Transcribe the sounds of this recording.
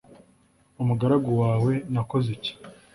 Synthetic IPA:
umuɡaɾaɡowaːwe̞nako̞zeci̥

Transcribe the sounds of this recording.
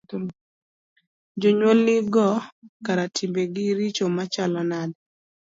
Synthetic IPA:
d͡ʒoɲwolnɪɡɔkaɾatʰimbeɡɪɾit͡ʃomat͡ʃalɔnad

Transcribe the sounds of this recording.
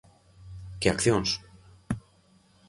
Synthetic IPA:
ceɐkθjons

